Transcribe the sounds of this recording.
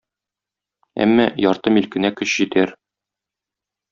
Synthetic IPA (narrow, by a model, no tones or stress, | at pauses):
æ̰mːæjɒɾt̪ɤmilkɘ̆nækɵɕʑɘ̆t̪æɾ